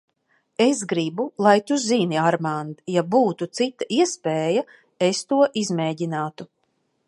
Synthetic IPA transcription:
esɡɾibulˠajt̪uziniaɾmand̪jabuːt̪ut̪sit̪aʔiɛspeːja | est̪uɔʔizmeːɟinaːt̪u

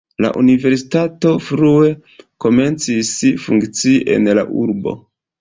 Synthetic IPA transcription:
la̰ʔunive̞ɾsi̥tato̞fɾue̞ | ko̞me̞nt͡sisfuŋkt͡siʔe̞̰nla̰ʔuɾbo̞̰

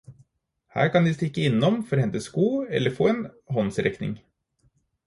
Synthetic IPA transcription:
hæ̰ːɾkɑnd̪ɪst̪ɪkːəɪnːɔmfɔɾhɛnt̪əskuːɛ̰lːəɾfoːeːnɦɔnsɾɛknɪ̰ŋ

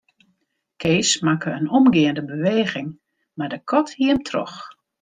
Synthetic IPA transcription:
kʰeːsmakəənɔmɡɪəndəbəʋeːɣɪŋ | madəkʰɔthiəmtʰrɔ̰x

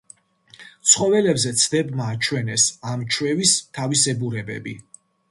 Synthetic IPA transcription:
t̪sʰχɔvɛlɛbzɛt̪sʰd̪ɛbmaːt͡ʃʰwɛnɛsamt͡ʃʰwɛvist̪ʰavisɛbuɾɛbɛ̰bḭ

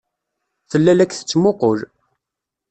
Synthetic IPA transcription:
θəlːælækθə̥t͡sːmoqʊl

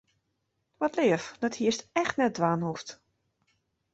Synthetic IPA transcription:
ʋɔtlɪəfd̥ɔthiəstɛxtnɛt̚dʋaːnhuft

